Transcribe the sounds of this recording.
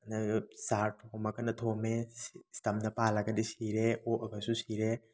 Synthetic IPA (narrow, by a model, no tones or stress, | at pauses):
ɐnasaɾtʰomɐkɐnɐtʰomestɐmdɐpalaɡɐdisiɾeoʔɐɡɐsusiɾe